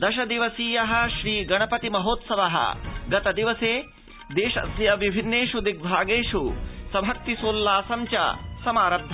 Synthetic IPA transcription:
d̪ɐʃɐd̪iʋɐsiːjɐɦɐ̆ʃɾiːɡɐɳɐpɐt̪imɐɦoːt̪sɐʋɐɦɐ̰ɡɐt̪ɐd̪iʋɐseː | d̪eːʃɐ̰sjɐʋibʱinːeːʃud̪ik̚bʱaːɡeːʃusɐbʱɐk̚t̪isoːlːaːsɐmt͡ʃɐ̰sɐmaːɾɐd̪ʱːɐ

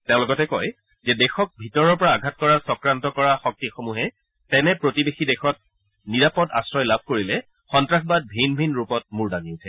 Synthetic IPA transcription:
teʊ̃lɔɡɔtɛkɔj | zɛdɛxɔk̚bʱitɔɹɔɹpɔɹaːɡʱatkɔɹasɔkɹantɔkɔɹaxɔk̚tixomuɦɛ | tɛnɛpɹotibexidɛxɔt̚ | niɹapɔda̰sɹɔjlab̚ʱkoɹilɛ | xɔntɹaxʰbad̚bʱinbʱinɹupɔt̚muɹdaŋiʊtʰɛ

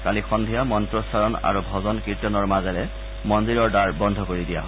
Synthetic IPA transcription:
kalixɔndʱijamɔntɹɔsaɹɔna̰ɹubʱɔzɔnkitɔnɔɹmazɛlɛ | mɔndiɹɔɹdaɹbɔndʱɔkoɹidija̰ɦ

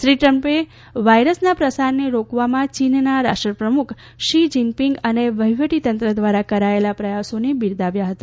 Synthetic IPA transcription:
ʃɾiʈɾəmpe | ʋajɾəsnapɾəsaɾneɾokʋamãt͡ʃinnaɾa̰ʂʈɾəpɾəmukʰ | ʃid͡ʒimpiŋɡəneʋəɦjʋəʈit̪ənt̪ɾəd̪ʋaɾakəɾaelapɾəjasonebiɾd̪aʋjaɦət̪a

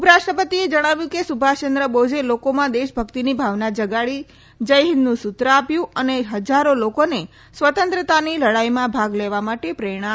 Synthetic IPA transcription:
upəɾaʃʈɾəpət̪ied͡ʒəɽ̃aʋjũkesubʱat͡ʃənd̪ɾəbod͡ʒelokomãd̪eʃbʱəkt̪inibʱaʋnad͡ʒəɡaɭi | d͡ʒəjɦɪnːũsut̪ɾəapjũəneɦəd͡ʒaɾolokone | sʋət̪ə̃nt̪ɾət̪aniləɽajmãbʱaɡleʋamaʈepɾeɽ̃ã

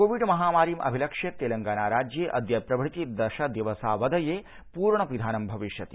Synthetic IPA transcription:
koːʋiɖmɐɦaːmaːɾiːmʔɐ̰bʱilɐkʂjet̪eːlɐŋɡaːnaːɾaːd͡ʒjeːʔɐd̪jɐpɾɐbʱɽit̪id̪ɐʃɐd̪iʋɐsaːʋɐd̪ʱɐjeː | puːɾɳɐpɾid̪ʱaːnɐmbʱɐʋiʃjɐt̪i

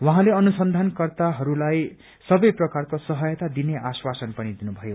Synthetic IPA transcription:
waɦãleʌnusʌnd̪ʱankʌrt̪aɦʌɾulaj | sʌbʌjprʌkarkosʌɦʌjʌt̪ad̪ineʔaswasʌnpʌnid̪inubʱʌjo

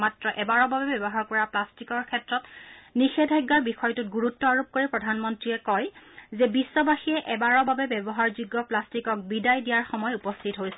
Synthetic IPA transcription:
matɹɔʔɛbaɹɔbabɛbɔbɔɦaɹkɔɹaplastikɔɹkʰɛtɹɔtnixɛdʱajɡːaɹbixɔjtutɡuɹutːɔaɹup̚koɹipɹɔdʱanmɔntɹiɛkɔjzɛbisːɔbaxiɛʔɛbaɹɔbabɛbɛbɔɦaɹzuɡːɔplastikɔk̚bidajdijaɹxɔmɔjupɔstʰitɦojsɛ

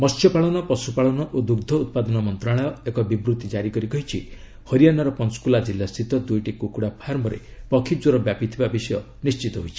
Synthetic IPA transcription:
mɔsjɔpaɭɔnɔpɔsupaɭɔnɔʔod̪uɾd̪ʱɔut̪̚pad̪ɔnɔmɔnt̪ɾaɭ̃ɔekɔbibɾut̪id͡ʒaɾikɔɾikɔɦit͡ʃʰi | hɔɾijanaɾɔpɔnskulad͡ʒilːast̪ʰit̪ɔd̪ujʈikukuɽapʰaɾmɔɾḛpɔkʰid͡ʒoɾɔbjapit̪ʰibabisɔjɔ | nist͡ʃit̪ɔɦojt͡ʃʰi̥

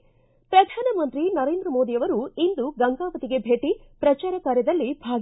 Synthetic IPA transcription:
pɾɐd̪ʱaːnɐmɐnt̪ɾinɐɾe̞ːnd̪ɾɐmoːd̪ijɐʋɐɾuind̪uɡɐŋɡaːʋɐt̪iɡe̞bʱe̞ːʈi | pɾɐt͡ʃaːɾɐkaːɾjɐd̪ɐlːibʱaːɡ

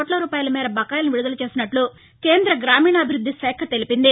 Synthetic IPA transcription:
oːʈlɐɾuːpaːjɐlɐmɛːɾɐbɐkːaːjlɐnuʋiɽud̪ɐlɐt͡ʃe̞ːsinɐʈlu | ke̞ːnd̪ɾɐɡɾaːmiːɳɐːbʱiɾud̪ʱːisɛːkʰɐt̪e̞lipind̪i

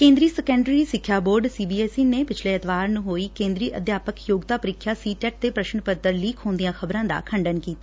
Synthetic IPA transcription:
kẽːnd̪ɾiːsɛkə̃ɳɖɾiːsɪkʰːjaːboːɾɖsiːbiːɛːsiːneːpɪt͡ʃʰleːɪt̪ʋaːɾnũːɦoːiːkẽːnd̪ɾiːʔə̰d̪ʱjaːpəkjoːɡt̪aːpəɾɪkʰːjaːsiːʈɛːʈ̚t̪eːpɾəʃəɳpət̪ːəɾliːkʰɦoːnd̪ijãːxʰəbɾãːd̪a̰ːkʰəɳɖənkiːt̪aː

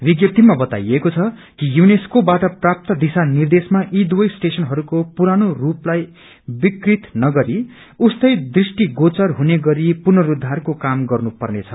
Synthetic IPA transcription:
biɡjʌpt̪imabʌt̪a̰jekot͡sʰʌ | kijuneskobaʈʌprap̚t̪ʌd̪isanird̪esmaʔid̪wʌjsʈesʌnɦʌɾukopuɾanoruplaj | bikrit̪nʌɡʌɾi | ust̪ʌjd̪risʈiɡot͡sʌrɦuneɡʌɾipurnʌɾud̪ʱːarkokamɡʌrnupʌrnet͡sʰʌ̥

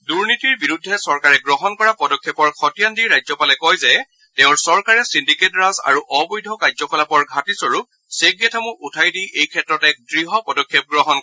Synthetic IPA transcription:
duɹnitiɹbiɹudʱːɛsɔɹkaɹɛɡɹɔɦɔnkɔɹapɔdɔkʰːepɔɹxʰɔtijandiɹajzɔpalɛkɔjzɛ | teʊ̃ɹsɔɹkaɹɛsindiketɹaza̰ɹuʔɔbɔjdʱɔkazɔkɔlapɔɹɡʱatisoɹu | seɡjɛtʰamʊʔutʰajdijʔejkʰɛtɹɔtɛk̚dɹiɦɔpɔdɔkʰːjɛp̚ɡɹɔɦɔn

